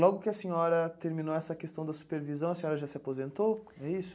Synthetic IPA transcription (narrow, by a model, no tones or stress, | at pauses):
lɔɡʊkɪɐsẽɲɔɾɐt̪eɾmĩnoɛsɐkest̪ɐ̃w̃d̪ɐsu̥peɾvizɐ̃w̃ɐsẽɲɔɾɐʒasɪapozẽnt̪o | ɛisʊ̥